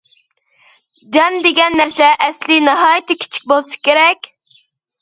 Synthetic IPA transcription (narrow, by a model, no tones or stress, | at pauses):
d͡ʒɑnd̪eɡʲɛnːæɾsɛʔɛslɪnɪɦɑːjit̪ːɪkʲʰi̥t͡ʃʰi̥k̚ʲbolˠsɨ̥kʲeɾɛkʲ